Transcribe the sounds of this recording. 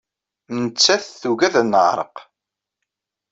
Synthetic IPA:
nət͡sːæθθuɣæðænəʁɾˤə̰q

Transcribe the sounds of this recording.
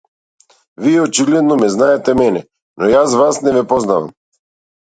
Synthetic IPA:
viɛɔt͡ʃilɛd̪nɔmɛznaɛt̪ɛmɛnɛ | nɔjasvasnɛvɛpɔznava̰m

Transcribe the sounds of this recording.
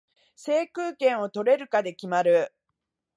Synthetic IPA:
se̞ːkɯːkẽ̞ɰ̃o̞t̪o̞ɾe̞ɾɯ̟kad̪e̞kʲimaɾɯ̟

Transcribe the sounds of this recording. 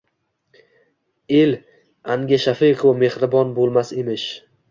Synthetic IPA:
el | aŋɡʲaʃafiqʰowme̞hɾɪbɒnbolˠmasemɪʃ

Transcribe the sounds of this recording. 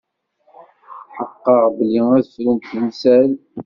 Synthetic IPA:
ħəqːəʁbəliæðflənt̪ənsæl

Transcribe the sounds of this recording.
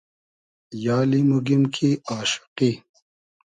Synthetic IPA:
jɑːlimuɡimkʰiaːʃɪ̥qi

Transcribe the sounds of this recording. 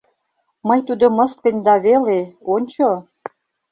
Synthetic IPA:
mɤjt̪ud̪omə̆skə̆nʲd̪ɑβeleonʲt͡ɕo

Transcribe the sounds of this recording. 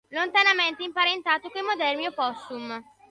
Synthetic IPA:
lont̪anament̪eimpaɾent̪aːt̪okoimod̪ɛrmiopɔst̪um

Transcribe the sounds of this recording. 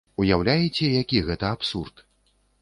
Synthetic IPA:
ujawlʲajɛt͡sʲɛjakʲiɣɛt̪ɐapsurt̪

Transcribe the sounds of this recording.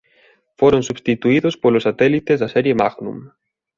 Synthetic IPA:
foɾonsuβst̪it̪uiðʊspolʊsat̪ɛlit̪ezðasɛɾjemaɣnṵ̃m

